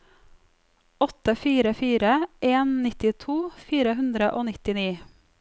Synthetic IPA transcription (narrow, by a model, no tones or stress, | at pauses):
ɔt̪əfiːɾəfiːɾəʔeːnnɪt̪ɪt̪ʰuːfiːɾəɦʉnd̪ɾəʔoːnɪt̪ɪniː